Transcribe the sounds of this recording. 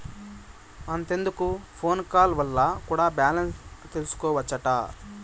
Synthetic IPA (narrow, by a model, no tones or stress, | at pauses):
ɐnt̪e̞nd̪ukupʰo̞ːnkaːlʋɐlːɐkuːɽaːbjaːlɐnst̪e̞lusu̥kɔːʋɐt͡ʃːɐʈɐ̰ː